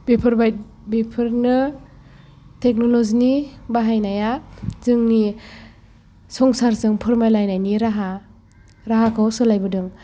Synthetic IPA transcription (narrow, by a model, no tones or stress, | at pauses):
bepʰɯɾbajt̚ | bepʰɯɾnɯ | tʰek̚nɔlɔzinibaɦajnajazɯŋni | sɔŋsaɾzɯŋpʰɯɾmajlajnajniɾaɦa | ɾaɦakʰawsɯlajbɯdɯŋ